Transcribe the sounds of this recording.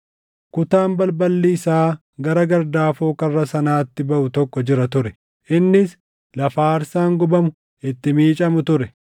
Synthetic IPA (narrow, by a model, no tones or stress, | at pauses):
kʊt̪aːmbɐlbɐlːiːsaː | ɡɐɾɐɡɐɾd̪aːfoːkɐrːɐsɐnaːt̪ːɪbɐʔʊt̪ɔkːɔd͡ʒɪɾɐt̪ʊɾɛ | ʔɪnːɪs | lɐfaːɾsaːŋɡʊbɐmʊ | ɪt̪ːɪmiːt͡ʃʼɐmʊt̪ʊɾɛ